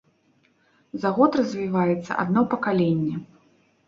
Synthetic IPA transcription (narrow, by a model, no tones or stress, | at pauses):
zaɣɔt̪rɐzʲvʲivajɛt̪sːɐ̰ʔa̰d̪nɔpɐkalʲenʲːɛ